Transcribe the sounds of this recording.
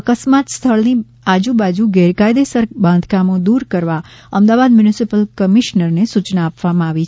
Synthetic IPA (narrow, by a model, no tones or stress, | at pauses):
əkəsmat̪st̪ʰəɭni | ad͡ʒubad͡ʒuɡɛɾkajd̪esəɾbãnd̪ʱkamõd̪uɾkəɾʋaəmd̪aʋad̪̚mjunisipəlkəmiʃnəɾnesut͡ʃnaːpʋamãaʋit͡ʃʰ